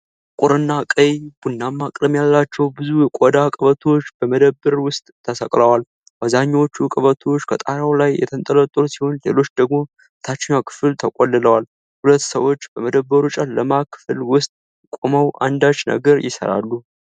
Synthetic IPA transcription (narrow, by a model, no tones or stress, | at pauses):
kʼʊɾɨnːakʼəjb̥unːamːakʼɾəmjalːat͡ʃːɛwbɨzujɛkʷʼod̪akʼɨβət̪ʰo̞t͡ʃːb̥əməd̪əbːɨɾwʊst̪ʼt̪ʰːəsəkʼləwal | bazaɲːwot͡ʃːukʼɨβət̪ʰo̞t͡ʃːkʰət̪ʼaɾawlajːɛ̰t̪ʰənt̪ʼələt̪ʼɾusiho̞nle̞̰lo̞t͡ʃːd̪əɡmo̞ | t̪ʰat͡ʃːɪɲakʰɨ̥fɨlt̪ʰəkʼolːɨləwal | hulət̪ːsəwo̞t͡ʃːbəməd̪əbːəɾut͡ʃʼanːəmakʰɨ̥fɨlwʊst̪ʼ | kʷʼoməwʔa̰nd̪at͡ʃːnə̰ɡəɾjɪsə̰ɾa̰lːu